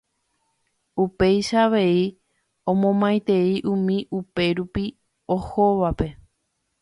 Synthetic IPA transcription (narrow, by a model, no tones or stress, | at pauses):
upe̞jʃaːʋe̞i | õmõmãj̃t̪e̞iʔũmĩʔupe̞ɾupi | ohoʋape̞